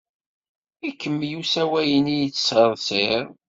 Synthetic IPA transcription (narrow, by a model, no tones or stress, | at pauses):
ækːəmːjusæwæjənijt͡sːə̥səðˤsɪɾ